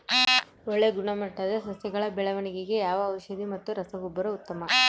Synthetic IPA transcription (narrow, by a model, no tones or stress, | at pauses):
ɔɭːeɡuɳɐmɐʈːɐd̪ɐsɐsjɐɡɐɭɐbɛɭɐʋɐɳiɡeɡe̞jaːʋɐːwʃɐd̪imɐt̪ːuɾɐsɐʋubːɐɾɐut̪ːɐmɐ